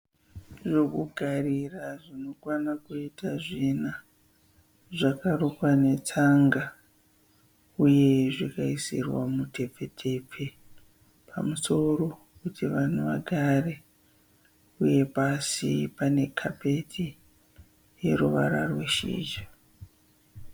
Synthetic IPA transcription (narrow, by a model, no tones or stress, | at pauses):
ʐokuɡʱariraʐino̞kwanakuitaʐina | ʐakarukwane̞t͡saŋɡa | uje̞ʐikaisirwa̰mute̞p͡fe̞tʰe̞p͡fe | pamuso̞ro̞ | kutiʋan̤uʋa̰ɡʱare | uje̞pasḭpane̞kʰape̞tʰi | jeɾuʋa̰ɾarwe̞ʃḭːd͡ʒa